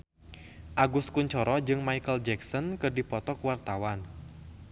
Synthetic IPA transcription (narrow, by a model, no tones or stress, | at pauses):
ʔaɡuskuɲt͡ʃɔɾɔd͡ʒɨŋmaijkəld͡ʒɛksɔnkɨrdipɔt̪ɔkuwart̪awan